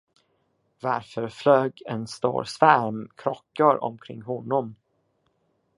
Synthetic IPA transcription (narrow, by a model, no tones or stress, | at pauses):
vaɾfœɾfløːɡɛnst̪o̰ːɾsvæɾmkʰɾɔkːaɾɔ̰mkʰɾɪŋːɦɔnːɔm